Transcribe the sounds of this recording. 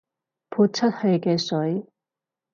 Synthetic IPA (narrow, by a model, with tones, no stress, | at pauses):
pʰu˥˧t̚t͡ɕʰɐ˥t̚hɵ˧ɥkɛː˧sɵ˨˥j